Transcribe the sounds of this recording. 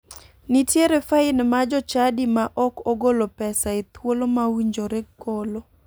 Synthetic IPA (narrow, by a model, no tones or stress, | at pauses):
nitjeɾɛfaɪnmad͡ʒɔt͡ʃadimaʔɔkoɡolopɛsaet̪wolomawiɲd͡ʒoɾɛɡolo